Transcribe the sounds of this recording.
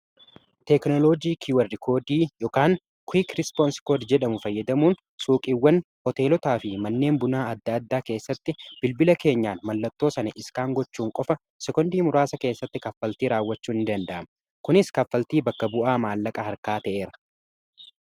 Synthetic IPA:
t̪ɛknɔloːd͡ʒiːkʰʊwɐɾdɪkʰo̞ːd̪iːjɔkaːn | kʰʊiːkɾɪspoːnskoːdd͡ʒɛᶑɐmʊfɐjːɐd̪ɐmuːn | sʼuːkʼiwːɐn | hɔt̪e̞ːlɔt̪aːfɪmɐnːe̞ːmbʊnaːɐd̪ːɐːd̪ːaːke̞ːsːɐt̪ːɪb̥ɪlbɪlɐke̞ːɲːaːnmɐlːɐt̪ːoːsɐnɐʔɪskaːŋɡɔt͡ʃːuːŋkʼɔfɐ | sɛkɔnd̪iːmʊɾaːsɐke̞ːsːɐt̪ːɪkɐfːɐlt̪iːɾaːwːɐt͡ʃːuːnɪnd̪ɐnd̪ɐʔɐmɐ | kʊnɪskɐfːɐlt̪iːbɐkːɐbʊʔaːmaːlːɐkʼɐhɐɾkaːt̪ɐʔe̞ːɾɐ̥

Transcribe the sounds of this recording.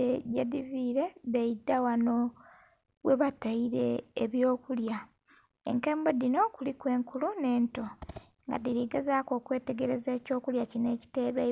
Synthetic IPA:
eɟediviːɾe̞deidːawano̞ | wʔeβataiɾe̞ːβjo̞ːkulja | ḛŋkeːmbo̞dino̞kulikwe̞ːŋkulune̞ːnto̞ | ŋɡa̰diɾiɡezaːko̞ːkwe̞ːte̞ɡe̞ɾe̞zeːco̞ːkuljacine̞ːci̥te̞ːɾwe

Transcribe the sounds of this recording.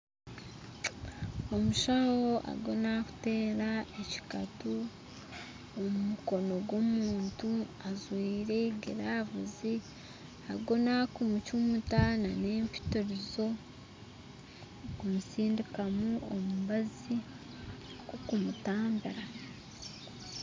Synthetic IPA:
o̞muʃawoʔa̰ɡo̞naku̥te̞ːɾae̞ci̥katu | omumuko̞no̞ɡwo̞muːntuazwiːɾe̞ɡiɾaːvuzi | aɡo̞nakumucumutanane̞ːɱpi̥toɾizo̞ | kumusiːndikamuomuβazi | kokumutaːmbiɾa

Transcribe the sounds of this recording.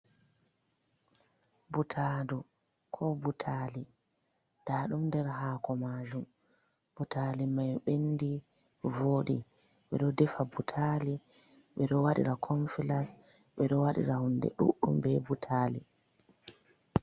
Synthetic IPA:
butʰaːdu | kʰɔbutʰali | d̥aːɗumdɛɾɦaːkɔmaːd͡ʒum | b̥utʰalimajɓendi | voːɗi | ɓɛɗɔdɛfabutʰali | ɓɛɗɔwaɗḭɾakʰɔnfilas | ɓɛɗɔwaɗḭɾahundɛ̰ɗṵʔṵmbɛbutʰalḭ

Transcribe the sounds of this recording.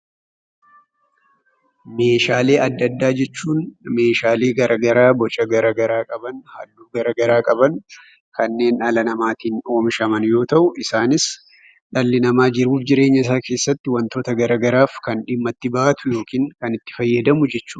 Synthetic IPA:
me̞ːʃaːle̞ːʔɐd̪ːɐd̪ːaːd͡ʒɛt͡ʃːuːnme̞ːʃaːle̞ːɡɐɾʔɐɡɐɾaːbɔt͡ʃʼɐɡɐɾɐɡɐɾaːkʼɐbɐnhɐ̰d̪ːuːɡɐɾɐɡɐɾaːkʼɐbɐn | kʰɐnːe̞ːnɐlɐnɐmaːt̪iːno̞ːmɪʃɐmɐnjo̞ːt̪ɐʔʊʔɪsaːnɪs | ᶑɐlːɪnɐmaːd͡ʒɪɾuːfd͡ʒɪɾe̞ːɲːɐɪs̬aːke̞ːsːɐt̪ːɪwɐnt̪o̞ːt̪ɐɡɐɾɐɡɐɾaːfkɐnᶑɪmːɐt̪ːɪbaːt̪ʊjo̞ːkiːŋkɐnɪt̪ːɪ̥fɐjːɐd̪ɐmʊd͡ʒɛt͡ʃːu̥ː

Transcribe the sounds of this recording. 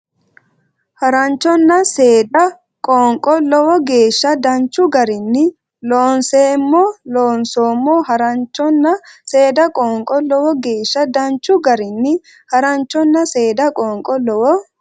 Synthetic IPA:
hɐɾɐnt͡ʃːɔnːɐseːd̪ɐ | kʼɔːŋkʼɔlɔwɔɡe̞ːʃːɐd̪ɐnt͡ʃːʊɡɐɾɪnːɪ | loːnseːmːɔloːnsoːmːɔɦɐɾɐnt͡ʃːɔnːɐseːd̪ɐkʼɔːŋkʼɔlɔwɔɡe̞ːʃːɐd̪ɐnt͡ʃːʊɡɐɾɪnːɪ | hɐɾɐnt͡ʃːɔnːɐse̞ːd̪ɐkʼɔːŋkʼɔlɔwɔ

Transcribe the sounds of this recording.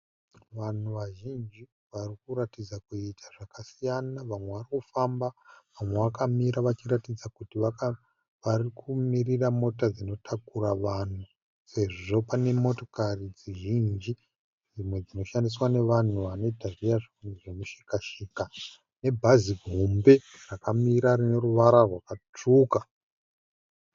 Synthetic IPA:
ʋan̤uʋaʒind͡ʒi | ʋarikuɾatid͡zakuitʰḁʐakasijanaʋamwe̞ʋarikufambaʋamwe̞ʋakamiɾaʋat͡ʃiɾatid͡zakutia | ʋarikʰumiriramo̞tad͡zino̞tʰakuɾaʋan̤u | se̞ʐʐo̞pane̞mo̞to̞karid͡ziʒind͡ʒi | d͡zimwe̞d͡zino̞ʃandis̬wane̞ʋan̤uʋano̞itarijaʐ | nʐemuʃikaʃiːka | ne̞bʱaziɡʱombe̞ | rakamiɾarine̞ruʋaɾarwakat͡ʂuːka

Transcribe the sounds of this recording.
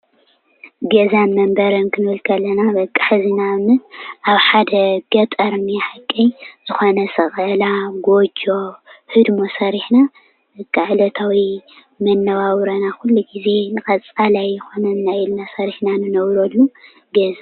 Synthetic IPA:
ɡɐzanmɐmbɐɾɐnkʰɨnɨhɨlkʰɐlːɐnabɐkʼːḁħzinanɨʔaβħad̪ɐɡ̥ɐt̪ʼɐɾniħakʼːɐjzɨxo̞nɐsɐχʼɐlaɡo̞d͡ʒo̞hɨd̪mo̞sɐɾiħna | bɐkʼːaʕlɐt̪ʰawi | mɐnːɐβawɾɐnaxulːuɡize̞nɨkʼɐt͡sʼalajːɨxo̞nɐnːaɪlnasɐɾiħnanɨnɐβɾolːu | ɡɐza

